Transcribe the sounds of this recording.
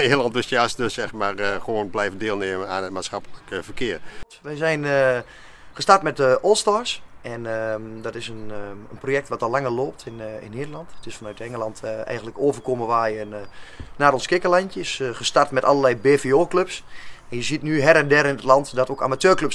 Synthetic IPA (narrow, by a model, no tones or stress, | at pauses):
nedəlɑntəsjasdøsɛxmarxʋoːnblɛjvəndeːlˠneːmənaːnətmaːsxɑpələkəvərkʰɪər | ʋɛjzɛjnə | χəstartmɛtəʔolˠstɔrsɛnədɔtɪsənənprojɛk̚tʋatɔlaŋərloːptʰɪnɪ̰nːeːdəlˠɑntətɪsfanœɥtɛŋəlˠɑntʰɛ̰jɣən̩dtləkoːvərkoməʋaːjənnaːɾonskɪkəlantjəsχəstartmɛtalˠərlɛjbeːfeoːkløpsɛnjəzitnyɦɛɾɛndɛɾəɪnətlɑntdɔtoka̰matøːrkløps